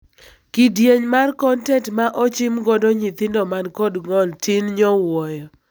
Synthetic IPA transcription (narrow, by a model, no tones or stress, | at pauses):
kidjeɲmarkɔntɛtmaʔɔt͡ʃɪmɡɔdɔɲɪt̪ɪndɔmankɔdŋɔltʰɪnɲɔwɔjɔ